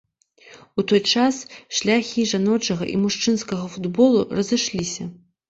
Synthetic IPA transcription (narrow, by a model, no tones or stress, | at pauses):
ut̪ɔjt͡ʂasʂlʲaxʲiʐanɔt͡ʂɐɣɐʔḭmuʂt͡ʂɨnskɐɣɐfud̪bɔlˠurɐzɨʂlʲisʲɐ